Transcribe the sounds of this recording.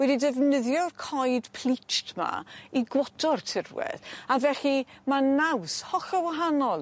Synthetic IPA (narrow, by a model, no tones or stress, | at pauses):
wɛdidɛvnəðjɔrkʰɔjd̥pʰlˠit͡ʃtʰma̰iɡwɔtʰɔrtʰɪrwɛ̰ðavɛɬimanawshɔχawaɦanɔlˠ